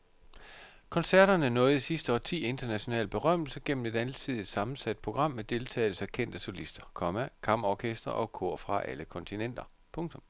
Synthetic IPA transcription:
kʰɒ̽nsæɐɾ̥ɐnənɔ̽ːð̩ˠisisd̥əɒ̰ːt͡sʰḭːe̝nd̥ɐnæɕo̝nɛ̰ːlb̥e̝ʁɶm̰l̩sɐɡ̥en̰m̩e̝d̥ænl̩sʰið̰ˠisɑ̈mn̩sæd̥̚pʰʁo̝ɡ̥ʁɑ̈m̰ːed̥e̝lt͡sʰɛ̰ːɪl̩sɐkʰen̰d̥əso̝lisd̥ɐkʰɒ̽mækʰɑ̈mɒːkʰesd̥ʁɐ̰ʔɒ̽kʰo̝ɐ̰fʁɑ̈ʔæ̰ləkʰɒ̽nt͡sʰinen̰d̥ɐ | pʰɔ̽ŋt͡sʰɔ̽m

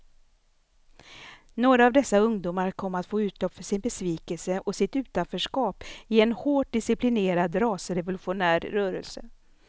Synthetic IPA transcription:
noːɾaːvd̪ɛsːaɵŋd̪uːmaɾkʰɔmːat̪foːʉ̟ːt̪ʰlɔpːfœʂɪnbɛsviːkɛlsəʔɔsɪt̪ʉ̟ːt̪anfœʂkɑːpɪɛnhoːʈ̚d̪ɪsɪplɪneːɾad̪ɾɑːsəɾɛvʊlɵɧʊnæːɾːœːɾəlsə̰

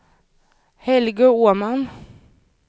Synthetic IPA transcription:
hɛlɡəuːmɑn

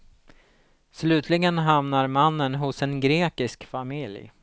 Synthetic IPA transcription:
slʉ̟ːt̪ʰlɪɡənɦamnaɾmanːənɦʊsɛnɡɾeːkɪskfamɪlj

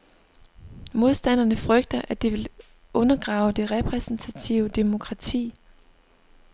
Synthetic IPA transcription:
mo̝ð̞ˠsd̥æn̰ɐnəfʁœɡ̥̚d̥ɐʔæd̥iʋe̝l | ʔɔ̽nɐɡ̥ʁɑ̈ːʊd̥e̝ʁɛpʰʁɛsn̩t͡sʰæt͡sʰiʊəd̥e̝mo̝kʰʁɑ̈t͡sʰḭː

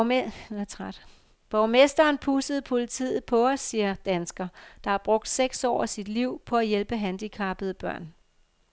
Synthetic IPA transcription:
t͡sʰʁɑd̥ | b̥ɒʊmesd̥ɐːnpʰusəð̞̩ˠpʰo̝lit͡sʰḭːð̩ˠpʰɒ̽ɒsːiːɐd̥ænsɡ̥ɐd̥ɑ̈æɐb̥ʁɔ̽ɡ̥̚d̥seɡ̥sɒ̰ːsid̥liʊ̰pʰɒ̽æjelb̥əɦænd̥ikʰɑ̈ːb̥əð̞̩ˠb̥ɶɐ̰n

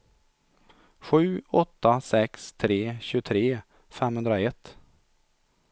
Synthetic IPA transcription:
ɧʉ̟ːɔt̪ːasɛkst̪ʰɾeːɕʉːt̪ʰɾeː | fɛmhɵnd̪ɾaɛt̪ː

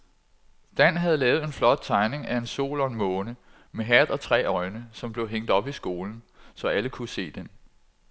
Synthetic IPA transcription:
d̥æn̰ɦæð̞̩ˠlɛːʊð̩ˠe̝nflɒ̽d̥̚t͡sʰɑ̈ɪne̝ŋæe̝nso̝̰ːlɒ̽enmɔ̽ːnə | meɦæðˠɒ̽t͡sʰʁɛ̰ːɒ̽ɪnəsɒ̽mb̥le̝ʊɦeŋ̰d̥ɒ̽b̥isɡ̥o̝ːln̩sɒ̽ʔæləkʰuse̝̰ːd̥en

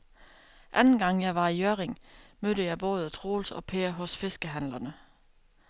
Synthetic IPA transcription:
ʔænn̩ɡ̥ɑ̈ŋ̰jɑ̈ɪʋɑ̈ijøɐʁeŋmøɾəjɑ̈ɪb̥o̽ːð̞ˠət͡sʰʁoːlsɒ̽pʰeːɐɦɔ̽sfe̝sɡ̥əɦænlɐnə

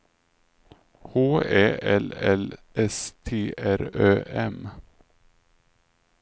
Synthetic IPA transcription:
hoːeːɛlɛlʔɛst̪ʰeːʔæɾøːʔɛm

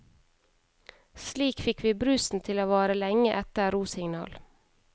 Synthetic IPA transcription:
sliːkfɪkʋiːbɾʉsn̩t̪ʰɪloːʋɑːɾəlɛŋəʔɛt̪əɾuːsɪŋnɑ̰ːl

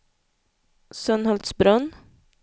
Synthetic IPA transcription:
sœnhɔld̪sbɾœn

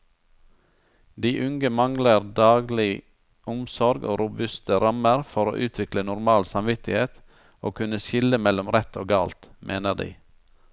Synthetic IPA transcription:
d̪iːʔʉŋɡəmɑŋləɾd̪ɑːɡlɪ | ʔʊmsɔɾɡo̰ːɾʊbʉst̪əɾɑməɾfɔɾo̰ːʔʉːt̪ʰʋɪklənʊɾmɑːlsɑmʋɪt̪ɪheːt̪ | oːkʰʉnəʃɪləmɛlɔmɾɛt̪oːɡɑːlt̪mʔḛːnəd̪ḭː

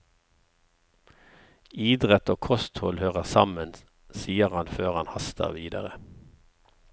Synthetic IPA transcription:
iːd̪ʁət̪oːkʰɔst̪hɔlhøːʁəʁsɑmən | siːəʁhɑnføːʁɑnhɑst̪ʰə̰ʁʋiːd̪ə̰ʁə

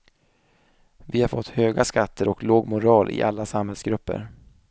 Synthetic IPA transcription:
vɪhaɾfɔt̪ːhøːɡaskat̪ʰːəɾɔkloːɡmʊɾɑːlʔɪ̰ʔalːasamhɛlsɡɾɵpːə̰ɾ

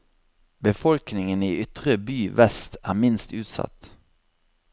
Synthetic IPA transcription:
bəfɔlknɪŋəniːʔʏt̪ʁəbyːʋɛst̪æːʁmɪnst̪ʉːt̪sɑ̰t̪

